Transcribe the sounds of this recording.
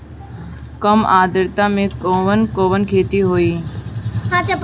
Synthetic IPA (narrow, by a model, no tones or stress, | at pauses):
kəmaːd̪əɾt̪ãmẽkoːʋənkoːʋənkʰeːt̪iɦoːiː | ɦãt͡ʃa